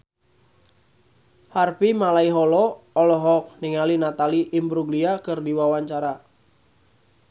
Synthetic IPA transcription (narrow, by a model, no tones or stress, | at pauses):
harpimalaiɦɔlɔɔlɔɦɔk̚nɪŋalinat̪aliʔːmbɾuɡliakɨrdiwawaɲt͡ʃaɾa